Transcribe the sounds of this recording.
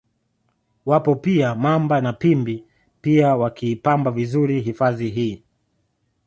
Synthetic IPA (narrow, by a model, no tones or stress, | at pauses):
wapɔpiamambanapimbi | piawakʰiːpambavizuɾiɦifaðiɦiː